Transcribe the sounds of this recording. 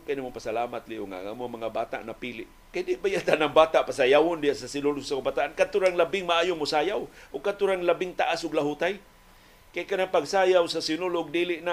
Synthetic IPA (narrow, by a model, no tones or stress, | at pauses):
kajnamʊpasalaːmat̪liʔʊŋa̰ʔŋa̰mʊaŋmaŋabaːt̪a̰ʔnapiːlɪʔ | kajdɪʔbajat̪anaŋbaːt̪aʔpasajawʊndɪjaʔsasɪnʊlʊsakabat̪aʔankat̪ʊɾaŋlabɪŋmaʔaːjʊŋmʊsaːjawʔʊɡ̚kat̪ʊɾaŋlabɪŋt̪aʔasʊɡlaɦut̪aj | kajkanaŋpaɡsaːjawsasɪnʊlʊɡ̚diːlɪʔna